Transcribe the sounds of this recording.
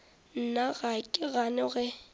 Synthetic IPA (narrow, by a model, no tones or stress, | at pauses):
n̩naɣakʼɪɣanɪɣɛ